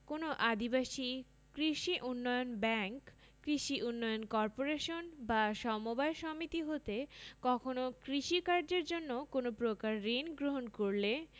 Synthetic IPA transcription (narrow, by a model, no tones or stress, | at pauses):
konoʔad̪ibaʃi | kɾiʃiʔunːɔjonbɛŋkː | ɾiʃiʔunːɔjonkɔɾpoɾeʃonbaʃɔmobaeʃɔmit̪iɦot̪ekɔkʰonokɾiʃikaɾd͡ʑeɾd͡ʑonːokonopɾokaɾːinɡɾoɦonkoɾle